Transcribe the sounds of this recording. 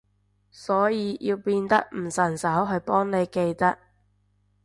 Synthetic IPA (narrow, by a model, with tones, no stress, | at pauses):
sɔː˨˥jiː˨˧ji˧wpiː˧nt̪ɐ˥k̚m̩˨˩sɐ˨˩nsɐ˨˥wɦɵ˧ɥpɔː˥ŋne˨˧jke˧jt̪ɐ˥k̚